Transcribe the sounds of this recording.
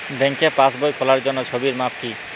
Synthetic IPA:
beŋkepasbojkʰolaɾd͡ʑonːot͡ɕʰobiɾmap̚ki

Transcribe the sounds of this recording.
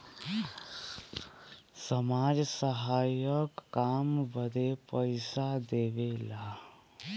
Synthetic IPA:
səmad͡ʒsəɦajəkːambəd̪epəɪsad̪eʋela

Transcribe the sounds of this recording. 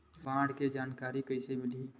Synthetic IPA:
ʋãːɽked͡ʒaːnkaːɾikəɪsemɪli

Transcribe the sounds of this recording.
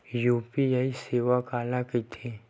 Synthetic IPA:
juːpijaiseːʋakaːlakit̪ʰeː

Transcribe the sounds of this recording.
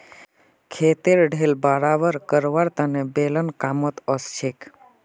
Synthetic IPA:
kʰeːt̪eɾɖʱelbaːɾaːʋəɾkəɾʋaɾt̪ənebeːlənkaːmət̪əst͡ʃʰek

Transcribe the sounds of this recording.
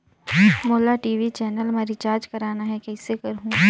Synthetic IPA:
moːlaʈiːʋit͡ʃɛːnəlmaɾɪt͡ʃaːɾd͡ʒkɐɾaːnaɦɛkɛːsekɐɾɦũː

